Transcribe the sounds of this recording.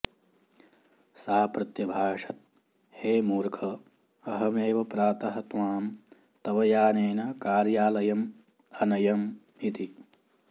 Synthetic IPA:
saːpɾɐt̪jɐbʱaːʂɐt̪̚ | heːmuːɾkʰɐ | ɐɦɐmeːʋɐpɾaːt̪ɐɦɐt̪ʋaːm | t̪ɐʋɐjaːneːnɐkaːɾjaːlɐjɐm | ɐnɐjɐm | it̪i

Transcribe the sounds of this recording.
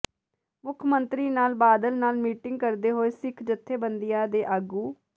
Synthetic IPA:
mʊkʰmənt̪ɾiːnaːlbaːd̪əlnaːlmiːʈɪŋɡ̚kəɾd̪eːɦoːeːsɪkʰd͡ʒət̪ʰːeːbənd̪ɪjãːd̪eːʔaːɡuː

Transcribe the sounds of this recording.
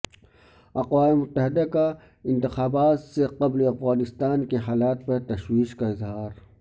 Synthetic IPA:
ɐqwaːmemʊt̪ːəɦɪd̪aka | ɪ̃nt̪ɪxaːbaːt̪seqɐbliɐfɣaːnɪst̪aːnkeɦaːlaːt̪̚pɐɾt̪ɐʃwiːʃkaɪzɦaːɾ

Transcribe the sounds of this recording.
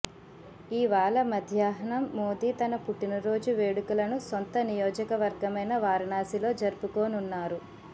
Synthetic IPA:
iːʋaːlɐmɐd̪ʱjaːɦɐɳɐmːoːd̪iːt̪ɐnɐpuʈːinɐɾo̞ːd͡ʒuʋe̞ːɽukulɐnusont̪ɐnijoːd͡ʒɐkɐʋɐɾɡɐmɐjnɐʋaːɾɐɳaːsilo̞ːd͡ʒɐɾupukoːnunːaːɾu

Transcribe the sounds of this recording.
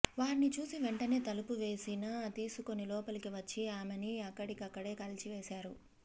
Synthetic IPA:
ʋaːɾinit͡ʃuːsiʋeɳʈɐne̞ːt̪ɐlupuʋe̞ːsinat̪iːsuko̞nːilɔːpɐlɐkiʋɐt͡ʃːiaːmeniɐkːɐɽikiɐkːɐɽe̞ːkɐlt͡ʃiʋe̞ːsaːɾu

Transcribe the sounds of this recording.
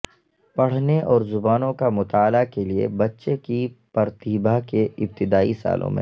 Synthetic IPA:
pɐɽ̤neʔɔːɾzʊbaːnõkamʊt̪aːlakeliḛbɐtːʃekipɐɾt̪iːbakeɪb̚t̪ɪd̪aːḭsa̰ːlʔõ̰mḛ̃

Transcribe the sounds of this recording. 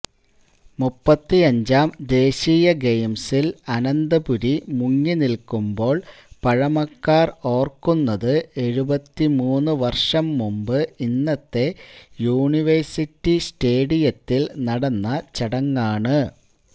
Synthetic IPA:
mupːɐt̪ːiɐɲd͡ʑaːmd̪e̞ːɕiːjɐɡejmsilɐnɐnd̪ɐbuɾimuŋːinilkumbo̞ːɭpɐɻɐmɐkːaːro̞ːrkunːɐðɨe̞ɻubɐt̪ːimuːnːɨʋɐrʂɐmːumbɨinːɐt̪ːe̞juːɳiʋɐrsitːiste̞ːɽijɐt̪ːilnɐɽɐnːɐt͡ɕɐɽɐŋːaːɳɨ

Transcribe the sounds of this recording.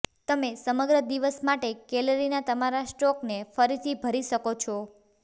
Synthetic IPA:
t̪əmesəməɡɾəd̪iʋəsmaʈekɛləɾinat̪əmaɾasʈɔknefəɾit̪ʰibʱəɾiʃəkot͡ʃʰɔ

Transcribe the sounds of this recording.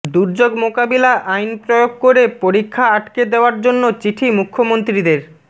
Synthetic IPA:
d̪uɾd͡ʑoɡmokabilaʔajnpɾojoɡ̚koɾepoɾikʰːaaʈked̪eoaɾd͡ʑonːot͡ɕiʈʰimukʰːomont̪ɾid̪eɾ

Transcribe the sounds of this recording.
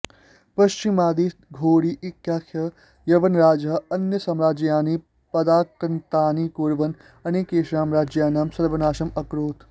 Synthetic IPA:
pɐʃt͡ʃimaːd̪iːt̪ɡʱoːɽiʔɪkjaːkʰjɐ | jɐʋɐnɾaːd͡ʒɐɐnjɐsɐmɾaːd͡ʒjaːniː | pɐd̪aːkɾɐnt̪aːniːkuɾʋɐn | ɐneːkeːʃɾaːmɾaːd͡ʒjaːnaːmsɐɾʋɐnaːʃɐmɐkɾoːt̪

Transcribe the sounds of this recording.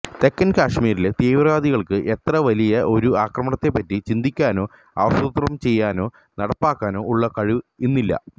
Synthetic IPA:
t̪e̞kːɐnkaːʂmiːɾilet̪eːʋraːd̪iɣɐɭkɨʔe̞t̪rɐʋɐlijɐʔo̞ɾuaːkrɐmɐɳɐt̪ːe̞pːɐtːit͡ɕind̪ikʲːaːno̞ː | ɐ̰ʋɐsut̪rɐmt͡ɕe̞jːaːno̞ː | nɐɽɐpːaːkːaːno̞ːuɭːɐkɐɻuenːilːɐ̰

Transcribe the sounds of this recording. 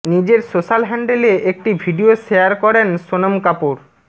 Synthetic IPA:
nid͡ʑeɾsoʃalɦɛɳɖeleʔek̚ʈibʱiɖioʃeaɾkɔɾenʃonomkapuɾ

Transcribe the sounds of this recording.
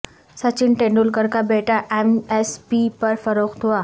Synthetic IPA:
sat͡ɕiɳʈẽɳɖulkəɾkabeʈaʔemespipəɾfəɾokt̪ʰuʋa

